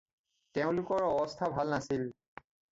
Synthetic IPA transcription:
teʊ̃lʊkɔɹɔbɔst̪ʰabʱalnasil

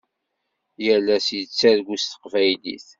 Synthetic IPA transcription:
jəlːæsjət͡sːæðɡʷust̪ə̥qvæjlḭθ

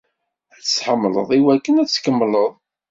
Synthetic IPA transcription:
æt͡sːsħəmːlə̰ðˤiwækːənæskəmːləðˤ

